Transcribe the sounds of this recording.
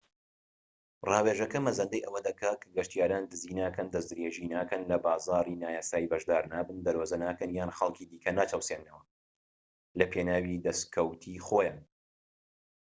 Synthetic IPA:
rɑːweːʒɐkɐmɐzɐnd̪ɐjʔɐwɐd̪ɐkaːkʰɡɐʃt̪ijaːɾaːnd̪ɨziːnaːkɐnd̪ɐzd̪ɾeːʒiːnaːkɐnlɐbaːzaːɾiːnaːjaːsaːjibɐʒd̪aːɾnaːbɨnd̪ɐɾwɐzɐnaːkɐnjaːnxɐlˠkʰiːd̪iːkʰɐnaːt͡ʃʰɐwsenːɐwɐ | lɐpʰeːnaːwid̪ɐskʰɐwt̪ʰiːxoːjaːn

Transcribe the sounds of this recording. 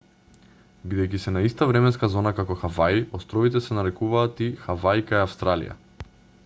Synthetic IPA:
bid̪ɛjk̬isɛnaist̪avɾɛmɛnskazɔnakakɔxavajiɔst̪ɾɔvit̪ɛsɛnaɾɛkuvaːt̪ixavajkajafst̪ɾalḭja̰

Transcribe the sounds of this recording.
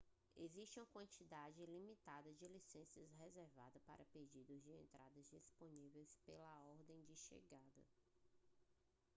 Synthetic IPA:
eziʃt͡ʃɪũkwɐ̃nt͡ʃid̪ad͡ʒɪlimit̪ad̪ɐd͡ʒɪlisẽsiɐshezeɾva̰d̪ɐpaɾʔɐped͡ʒid̪ʊzd͡ʒɪẽnt̪ɾad̪ɐzd͡ʒisponivejspelɐɔɾd̪ẽj̃d͡ʒɪʃḛɡad̪ɐ̰

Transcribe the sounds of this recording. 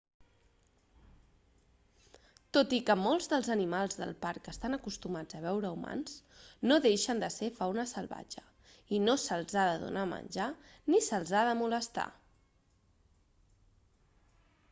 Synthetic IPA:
t̪ot̪ikəmolˠzðəlˠzənimalˠzðə̰lˠpaɾkəst̪anəkust̪umad͡zəβ̞ɛwɾəuma̰nsnoðeʃənd̪əsefawnəsəlˠβa̰d͡ʒə | inosəlˠzaðəðṵnamə̰nʲʒa | nisəlˠzaðəmuləst̪a̰

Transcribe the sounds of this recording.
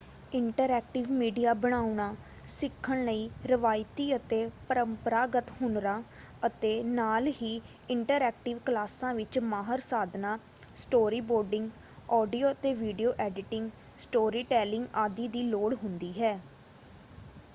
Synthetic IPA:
ɪɳʈəɾɛːk̚ʈɪʋmiːɖijaːbəɽ̃aːuɳaː | sɪkʰːəɳləiːɾəʋaːɪt̪iːət̪eːpəɾəmpəɾaːɡət̪hʊɳɾãː | ət̪eːnaːlɦiː | ɪɳʈəɾɛːk̚ʈɪʋklaːsãːʋɪt͡ʃmaːɦəɾsaːd̪naː | sʈoːɾiːboːɾɖɪ̃ŋɡ | ɔːɖijoːət̪eːʋiːɖijoːʔɛːɖɪʈɪ̃ŋɡ | sʈoːɾiːʈɛːlɪ̃ŋɡaːd̪iːd̪iːloːɽɦʊnd̪iːɦɛː

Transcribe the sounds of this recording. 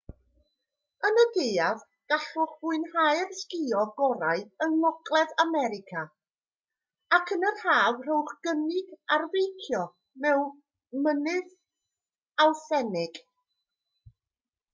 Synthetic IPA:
ənədejað | ɡ̥aɬʊχvʊɨnhajrskɪɔɡɔɾaɨəŋnɔɡlˠɛðamɛɾɪkʰa | akʰənərhaːvr̥owχɡ̥ənɪɡarvejkʰjɔ | mɛw | mənɨð | alˠθɛnɪɡ̥

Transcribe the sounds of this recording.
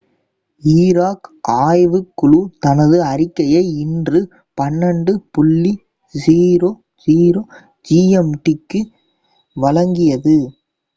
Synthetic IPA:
iːɾaːkaːjʋɯkːʊɭut̪ɐnɐðɯɐɾɪkːɐjɐɪɪndrɯ | pɐnːɐɳɖɯpʊɭːi | siːɾoː | d͡ʒiːɾoː | d͡ʒiːɛmʈɪkːɯ | ʋɐɻɐŋɡɪjɐðɯ

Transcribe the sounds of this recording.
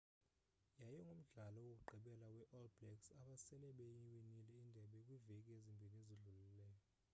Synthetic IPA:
jajɔŋɡʱum̩ɮalɔwok̬ʼuǃʱiɓɛlawɛʔɔlblɛksaɓasɛlɛɓejiwenilɛindʱɛɓɛkʼwivekʼiezimbʱileziɮulilɛːjɔ

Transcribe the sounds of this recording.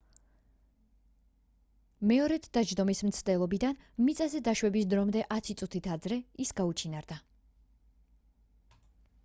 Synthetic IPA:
mɛɔɾɛt̪ʰd̪ad͡ʒd̪ɔmismt̪sʰd̪ɛlˠɔbid̪anmit̪sʼɛzɛd̪aʃwɛbisd̪ɾɔmd̪ɛʔat̪sʰit̪sʼut̪ʰit̪ʰad̪zɾɛisɡaut͡ʃʰinaɾd̪a

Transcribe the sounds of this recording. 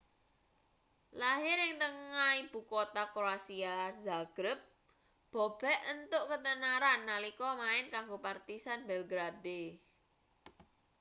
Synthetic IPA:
laɦɪɾɪŋt̪əŋaib̥ṳkot̪akɾoasiazaɡ̥ɾəp̚ | b̥ɔ̤b̥ɛ̤ənt̪ʊʔkət̪ənaɾanːalikɔmaɪnkaŋɡopart̪isanbɛlɡɾade

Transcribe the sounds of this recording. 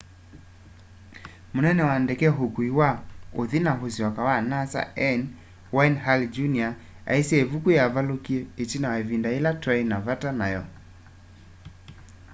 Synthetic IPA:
monɛnɛwandekɛɦokuiwaoðinaɦosiwakawanasa̰ɛn | wainɦald͡ʒunia | a̰isiɛevukujavalokiɛet͡ʃinawaevindaelatɾainavatanajɔ

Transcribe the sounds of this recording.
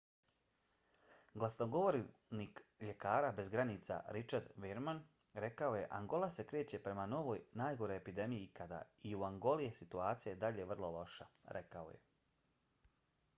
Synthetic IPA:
ɡlˠasnoɡo̞ʋoɾnikʎe̞kaːɾabe̞zɡɾanit̪sa̰ɾit͡ʃaɾd̪ʋiɾman | ɾe̞kao̞je̞ʔaŋɡo̞lase̞kɾe̞ːt͡ɕe̞pɾe̞mano̞ʋo̞ːjnaːjɡo̞ɾo̞jepid̪e̞mijikad̪a̰iuaŋɡo̞lijesit̪uaːt̪sijajed̪aʎe̞ʋr̩lˠo̞lo̞ʃa̰ɾʔe̞kao̰je̞̰

